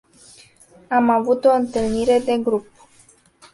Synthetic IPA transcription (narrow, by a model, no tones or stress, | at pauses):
amavut̪o̞ɨnt̪ɨlniɾe̞d̪e̞ɡɾup̚